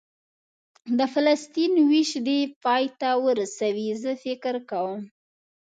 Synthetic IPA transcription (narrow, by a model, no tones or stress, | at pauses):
d̪əfalast̪inwiʃd̪epɑjt̪awəɾasawizəfɪkɾkawəm